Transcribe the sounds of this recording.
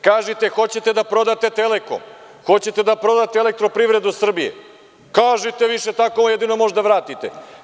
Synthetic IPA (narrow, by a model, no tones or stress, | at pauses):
kaːʒit̪e̞xo̞t͡ɕet̪e̞d̪apɾo̞d̪at̪e̞t̪eleko̰m | xo̞t͡ɕe̞t̪ed̪apɾo̞d̪at̪eelek̚t̪ɾopɾivɾe̞d̪usr̩bije̞̰ | kaːʒit̪e̞ʋiʃe̞t̪akojed̪ino̞mo̞ʒd̪aʋɾaːt̪it̪ḛ